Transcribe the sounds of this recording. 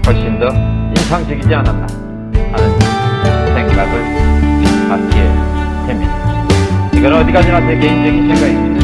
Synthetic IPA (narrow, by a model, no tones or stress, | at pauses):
kʌɕʰindʌinsʰaŋt͡ɕeɡid͡ʑiananda | hanɯn | sʰeŋɡaɡɯɭ | kankesʰemːida | kɯnʌʌd̪ikad͡ʑinatʰekeind͡ʑeɡisʰeŋɡaimi